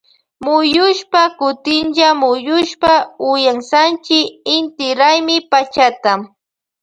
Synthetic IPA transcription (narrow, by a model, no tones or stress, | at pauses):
mʊjʊʃpakʊt̪ɪnʒamʊjʊʃpaʊjaŋsant͡ʃɪɪnt̪ɪɾajmɪpat͡ʃat̪a